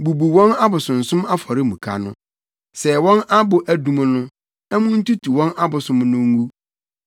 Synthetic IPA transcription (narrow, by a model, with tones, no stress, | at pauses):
bu˨bu˨wɔ̃˦na˦bʊ˨sʊ̃˨n̩˨sʊ̃˦ma˦fɔ˨ɾɪ˦mũ˨kʰa̰˨nʊ̰̃˦ | sɛ˨wɔ̃˦na˦bʊ˨ʔæ˨dũ˨m˦nʊ̃˦ | ɛ˦mʊ̃˦n̩˦tu˦tʰu˨wɔ̃˦na˦bʊ˨sʊ̃˦mnʊ̃˦ŋ˦u˦